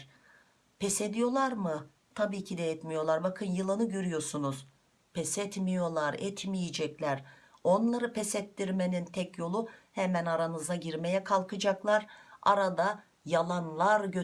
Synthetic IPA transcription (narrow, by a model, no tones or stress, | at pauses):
pʰɛsed̪ijo̞lˠaɾmɯ | t̪ʰabiːcʰid̪ɛɛt̪mijo̞lˠaɾbakʰɯnjɯlˠɯnɯɟøɾyjo̞ɾsunuz̥ | pʰɛsɛt̪mijo̞lˠaɾɛt̪ʰmijid͡ʒɛclʲæɾo̞nlˠaɾɯpʰɛsɛt̪ːiɾme̞nint̪ʰɛcjo̞lˠuhɛmænaɾanɯzaɟiɾme̞jɛkʰalˠkɯd͡ʒaklˠaɾa̰ɾad̪a | jalˠanlˠaɾɟø